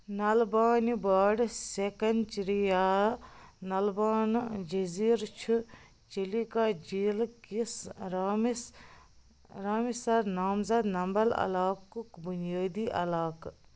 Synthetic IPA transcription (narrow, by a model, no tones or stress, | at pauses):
nɐlbaːnibaːɖsekɐnt͡ʃiɾijaː | nɐlbaːnd͡ʒɐziːɾt͡ʃʰu | t͡ʃilikaːd͡ʒiːlkisɾ | ɾaːmisɐɾnaːmzɐd̪nɐmbɐlɐ̰laːkukbunijaːd̪iːʔɐ̰laːk